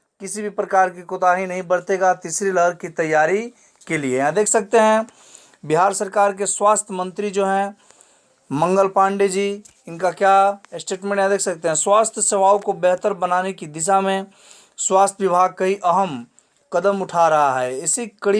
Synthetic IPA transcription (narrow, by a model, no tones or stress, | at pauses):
kɪsibʱipɾəkaːɾkikʊt̪aːɦĩnɐɦĩbəɽt̪eɡat̪iːsɾiləɦəɾkit̪ɐjːaːɾi | keliejãd̪eːkʰsɐk̚t̪eɦɛ̃ | bɪɦaːɾsəɾkaːɾk̬eswaːst̪ʰəmə̃nt̪ɾid͡ʒoːɦɛ̃ | mɐ̃ŋɡəlpãːɳɖed͡ʒiː | ɪnkakjasʈeːʈmẽɳʈjãd̪eːksɐk̚t̪eɦɛ̃swaːst̪ʰjəseʋaːwkobɛɦt̪əɾbɐnaːnekid̪ɪʃ̬amẽ | swaːst̪ʰʋɪbʱaːɡ̚kɐiʔɐɦəm | kɐd̪əmʊʈʰaɾɐɦaɦɛɪsikəɽ